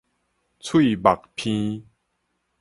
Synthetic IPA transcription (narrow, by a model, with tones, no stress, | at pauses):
t͡sʰwi˥˨ba˨k̚pʰĩ˧